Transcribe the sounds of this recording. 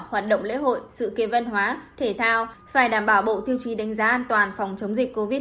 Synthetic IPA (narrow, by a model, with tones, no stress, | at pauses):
haː˨˩t̚ɗə̰˧˨ŋ͡mlḛ˧˥ho̰˧˨jsɨ̰˧˨ke˨˦və˧nɦwaː˨˦t̪ʰe˧˩t̪ʰaː˧wfaː˧˩jɗaː˧˩mɓaː˧˩wɓo̰˧˨t̪ʰi˧əwt͡ɕi˨˦ɗa˨˦jŋ̟zaː˨˦ʔaː˧nt̪waː˨˩nfɔ˨˩wŋ͡mt͡ɕə˨˦wŋ͡mzi˨˩k̟̚ko˧vi˦˥